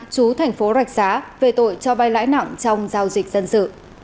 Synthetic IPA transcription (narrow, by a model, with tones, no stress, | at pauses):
t͡ɕu˨˦t̪ʰɛ˨˩jŋ̟fo˨˦zwa˨˩jk̟̚zaː˨˦ve˨˩t̪o̰˧˨jt͡ɕɔ˧va˧jla̰ː˧˥jna̰˧˨ŋt͡ɕɔ˧wŋ͡mzaː˧wzï˨˩k̟̚zə˧nsɨ̰˧˨